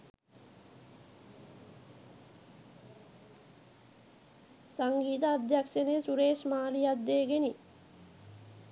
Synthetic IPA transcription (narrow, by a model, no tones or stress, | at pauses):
saŋɡiːt̪aːd̪jakʂeneːsuɾeːʃmaːlijad̪ːeːɡeni